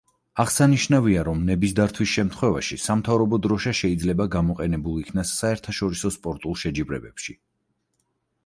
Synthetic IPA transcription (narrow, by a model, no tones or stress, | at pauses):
aʁsaniʃnaviaɾɔmnɛbisd̪aɾt̪ʰwisʃɛmt̪ʰχwɛva̰ʃisamt̪ʰavɾɔbɔd̪ɾɔʃaʃɛid̪zlɛbaɡamɔqʼɛnɛbulˠikʰnasːaɛɾt̪ʰaʃɔɾisɔspʼɔɾt̪ʼulˠʃɛd͡ʒibɾɛbɛpʃi